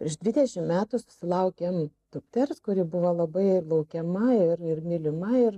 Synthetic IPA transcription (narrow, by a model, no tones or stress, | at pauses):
pʲɾʲɛʒd̪ʲʋʲɪd̪ʲɛʃʲɪmmʲæːt̪ʊsʊ̥sʲɪlˠɐʊkʲemt̪ʊpʲt̪ʲɛrskʊɾʲɪbʊʋolˠɐbɐɪlˠɐʊkʲɛmɐɪɾɪrmʲɪlʲɪmɐɪr